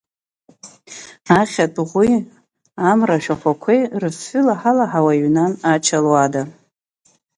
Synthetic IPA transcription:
aχʲatʼʁʷi | amraʃᶣaχʷakʷʰejrɨsħʷʏlaħalaħawaɥnanat͡ʃʰalwada

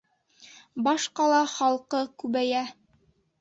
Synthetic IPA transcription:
bɑʃqɑlˠɑχɑlˠqɤkʉβæjæ

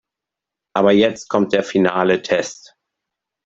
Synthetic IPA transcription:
ʔaːbɐjɛt͡st̚kʰɔmt̚d̥eːɐfinaːlətʰɛst

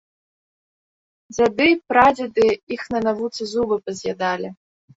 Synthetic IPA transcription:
zʲad̪ɨpɾad͡zʲid̪ɨixnɐnavut̪sɨzubɨpɐzʲjad̪alʲi

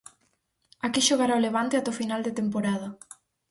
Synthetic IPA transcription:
akiʃoɣ̞aɾaoleβ̞ant̪eat̪ɛofinald̪et̪empoɾað̞ɐ

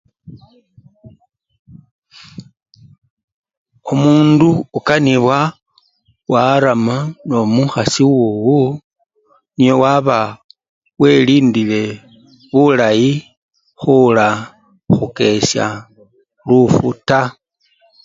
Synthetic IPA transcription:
omuːnduːkaniβwa | waɾamano̞muxasiwoːwu | nijo̞waβa | we̞liːndile̞ | βulaji | xula | xuke̞sja̰ | lufṵta

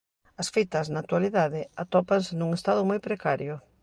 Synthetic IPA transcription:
ɐsfit̪ɐznat̪waliðaðɪat̪ɔpansɪnuŋest̪aðʊmojpɾekaɾjʊ

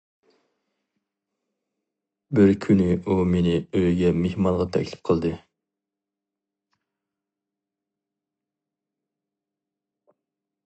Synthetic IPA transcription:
bɪɾkʲʰynɪʔumenɪøjɡʲɛmehmɑnʁɑt̪ʰɛ̰kʲlɪ̥p̚qʰəlˠd̪ɨ

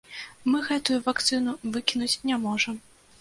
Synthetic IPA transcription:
mɨɣɛt̪ujuvakt̪sɨnuvɨkʲinut͡sʲnʲamɔʐɐm

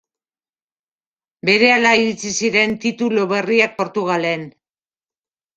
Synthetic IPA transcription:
be̞ɾe̞alaiɾit͡sisiɾe̞nt̪it̪uloβe̞riak̚po̞ɾt̪uɣ̞ale̞n

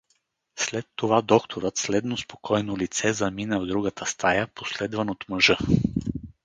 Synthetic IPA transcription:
slɛt̪ːovad̪ɔkt̪ʰoɾət̪slɛd̪nospo̥kʰɔjnolit̪sɛzɐminəvd̪ɾuɡət̪ʰəst̪ʰajəposlɛd̪vənot̪məʒɤ

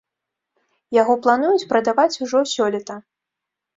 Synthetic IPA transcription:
jaɣɔplˠanujut͡sʲpɾɐd̪avat͡sʲuʐɔsʲɔlʲɛt̪ɐ

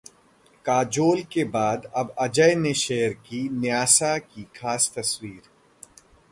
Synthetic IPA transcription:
kaːd͡ʒoːlkebaːd̪ɐbɐd͡ʒəjneʃeːəɾkinɪjaːsakixaːst̪ɐswiːɾ

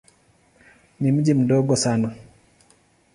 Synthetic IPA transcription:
nim̩d͡ʒim̩dɔɡɔsana

